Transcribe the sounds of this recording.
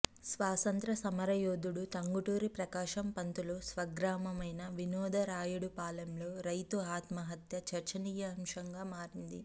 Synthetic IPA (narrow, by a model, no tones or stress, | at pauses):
sʋaːsɐnt̪ɾɐsɐmɐɾɐjoːd̪uɽut̪ɐŋɡuʈuːɾipɾɐkaːʂɐmpɐnt̪uloːsʋɐɡɾaːmɐmɐjnɐʋinɔːd̪ɐɾaːjuɽupaːlɐmlo̞ːɾɐjt̪uaːt̪mɐɦɐt̪jɐt͡ʃɐɾt͡ʃɐniːjɐɐmʂɐŋɡaːmaːɾind̪i